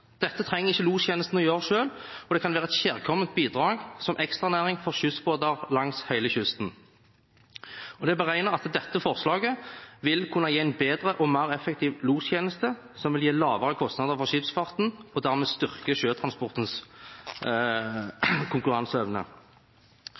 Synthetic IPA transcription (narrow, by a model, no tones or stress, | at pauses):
d̪̥ɛt̪ːət̪ʰɾɛŋːəʁɪçːəluːsçeːnəst̪n̩ɔjøːʁəʂøːlɔd̪ɛkʰɑnʋæːʁəɛt̪ɕæːʁkʰɔmːənt̪̚biːd̪ʁɑːɡsɔmʔɛkst̪ʁɑnæːʁɪŋfɔʁɕʏsboːd̪ɑʁlɑŋshæɪləçʏst̪n | ɔd̪ɛbəʁæɪnəʁɑt̪d̪ɛt̪ːəfɔʁslɑːɡəʋɪlkʰʊnːɑjeːæɪnbeːd̪ʁəʔɔmæːʁɛfːək̚t̪ʰiːʋluːsçeːnəst̪ə | sɔmʋɪljeːlɑːʋəʁəkʰɔst̪nɑd̪əʁfɔʁʃɪpsfɑʁt̪nɔd̪æʁmeːst̪ʏʁkəʃøːt̪ʰʁɑnspɔʁt̪ns | kʰʊŋkʉʁɑnsœʋnə̰